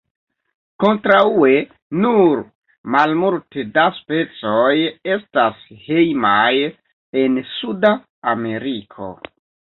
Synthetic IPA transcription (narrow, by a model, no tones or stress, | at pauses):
ko̞ntɾaue | nuɾ | malmuɾtedaspe̞t͡so̞je̞stashe̞jmaj | e̞nsudaː | me̞ɾikʰo̞̰